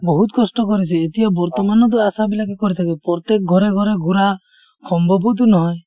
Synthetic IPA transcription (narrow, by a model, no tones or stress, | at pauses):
bɔɦut̪kɔsʈɔkɔɾisʰɛːt̪ijabɔɾt̪ɔmanɔd̪ɔasabilakɛkɔɾit̪ʰakɛpɾɔt̪ek̚ɡʱɔɾeɡʱɔɾeɡuɾa | kʰɔmbɔbʱud̪unɔɦɔj